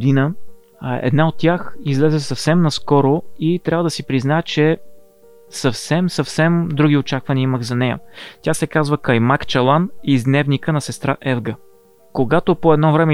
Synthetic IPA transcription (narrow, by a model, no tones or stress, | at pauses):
d̪inə | ɛ̰d̪naot̪̚tːʲjaxizlɛzɛsɐfsɛmnɐskɔɾoit̪ɾʲjavəd̪ɐsipɾiznaɛt͡ʃɛ | sɐfsɛmsɐfsɛmd̪ɾuɡʲiot͡ʃakvɐniəiməxzɐnɛjə̰t̪ʲjasɛkazvəkɐjmakt͡ʃɐlˠanizd̪nɛvnikənɐsɛst̪ɾaʔɛvɡə | koɡat̪opoɛd̪nɔvɾɛmɛ